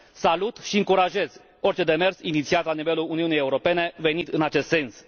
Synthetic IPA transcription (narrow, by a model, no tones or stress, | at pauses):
salut̪ʃiɨŋkuɾaʒe̞z̥ | o̞rʲt͡ʃe̞d̪e̞me̞rsinit̪siat̪lanive̞luluniunijeuɾo̞pe̞ne̞ve̞nit̪ɨnat͡ʃe̞st̪se̞ns